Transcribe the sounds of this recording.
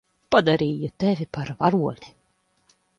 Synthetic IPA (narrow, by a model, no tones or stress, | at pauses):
pad̪aɾiːjut̪ævʲipaɾvaɾuɔni̥